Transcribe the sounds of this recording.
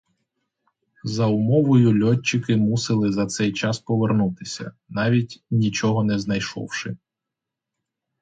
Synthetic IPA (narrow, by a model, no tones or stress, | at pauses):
zɐʊmɔʋɔjʊlʲɔt͡ʃːɪkɪmusɪlˠɪzɐt̪sɛjt͡ʃɑspɔʋernut̪ɪsʲɐ̰ | nɑʋʲitʲnʲit͡ʃɔɦɔnɛznɐjʃɔ̰wʃɪ